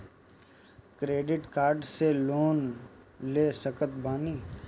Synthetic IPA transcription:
kɾeːɖɪʈkaːɾɖseloːn | leːsəkət̪baːniː

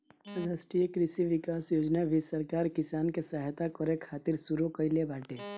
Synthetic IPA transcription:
ɐɡaːsʈijəkɾɪsiʋɪkaːsjoːd͡ʒnaʋɪsɐɾkaːɾkɪsaːnkesaːɦt̪akɔɾekʰaːt̪ɪɾsuɾokəilebaːʈʰeː

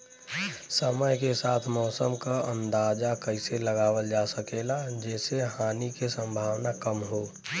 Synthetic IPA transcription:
səməjkesaːt̪ʰmɔːsəmkaə̃nd̪aːd͡ʒakəɪseləɡaːwəld͡ʒaːsəkelad͡ʒɛːseɦaːnikesə̃mbʱaːwnakəmɦoː

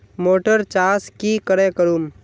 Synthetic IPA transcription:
moːʈəɾt͡ʃaːskikəɾekəɾum

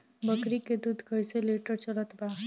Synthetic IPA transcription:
bəkɾiked̪ud̪ʱkʰəjseleʈəɾt͡ʃələt̪ba

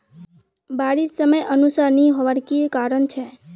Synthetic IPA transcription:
baɾisːəməjənusaɾniɦɔʋaɾkikaɾəɳt͡ʃʰe

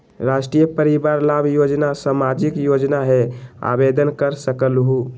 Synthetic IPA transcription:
ɾasʈɾijəpəɾibaɾlabjod͡ʒnasamad͡ʒikjod͡ʒnaɦea̰bed̪ənkəɾsəkəlɦu

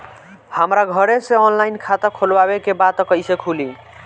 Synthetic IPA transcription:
həmɾaɡʱəɾesẽɔnlainkʰat̪əkʰolbabekebat̪kəjsekʰuli

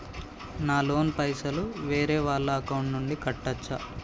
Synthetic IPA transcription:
naːlo̞ːnpɐjsɐluʋeːɾeːʋaːɭlːɐːkɐwɳʈnuɳɖikɐʈːɐt͡ʃːɐ̰

